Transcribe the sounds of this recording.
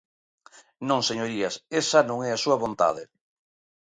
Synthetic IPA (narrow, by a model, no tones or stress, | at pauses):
nõŋseɲoɾiasesanõŋɛasuɐβont̪a̰ð̞e